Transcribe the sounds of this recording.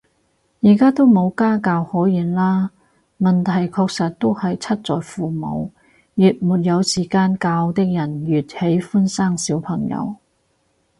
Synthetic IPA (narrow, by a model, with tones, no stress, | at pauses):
jiː˨˩kaː˥t̪o˥wmo˨˧wkaː˥kaː˧whɔː˨˥jiː˨˧nlaː˥ | mɐ˨nt̪ʰɐ˨˩jkʰɔː˧k̚sɐ˨t̚t̪o˥whɐ˨jt͡sʰɐ˥t̚t͡sɔː˨jfuː˨mo̰˨˧w | jyː˨t̚muː˨t̚jɐ˨˧wsiː˨˩kaː˧nkaː˧wt̪ɪ˥k̚jɐ˨˩njyː˨t̚he˨˥jfu˥nsaː˥˩ŋsiː˨˥wpʰɐ˨˩ŋjɐ̰˨˧w